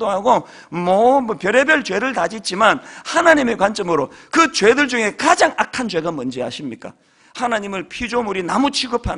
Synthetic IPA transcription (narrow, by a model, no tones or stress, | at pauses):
doɦaɡo | mʌmpjʌɾe̞bjʌɭt͡ɕwe̞ɾɯɭtad͡ʑit̚t͡ɕ͈imanhanaɲimekwant͡ɕ͈ʌmɯɾokɯt͡ɕwe̞dɯɭd͡ʑuŋɦe̞kad͡ʑaŋakʰant͡ɕwe̞ɡamɯnd͡ʑeɦa̰ɕʰimɲik͈a̰ | hanaɲimɯɭpʰid͡ʑomuɾinamut͡ɕʰiɡɯpʰa